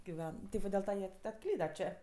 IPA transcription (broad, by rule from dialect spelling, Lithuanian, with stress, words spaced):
ɡʲɪˈʋʲɛn tʲɪ ˈʋɐ dʲɪlˠ ˈtɐ jiɛ ɐtˈklʲiːdɐ ˈt͡ʃʲeː